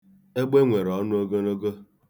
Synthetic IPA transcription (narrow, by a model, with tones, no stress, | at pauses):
e˦ɡ͡be˦ŋʷe˨ɾɔ˨˦nʊ˦o˦ɡo˦no˦ɡo˦